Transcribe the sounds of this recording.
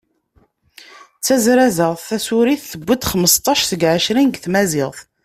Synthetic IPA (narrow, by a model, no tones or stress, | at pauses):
t͡sːæzɾæzəʁθθæsuɾiθːəbʷːid̪χəməst̪ˤːɑʃθəɡʕəʃɾinɡθmæzɪʁθ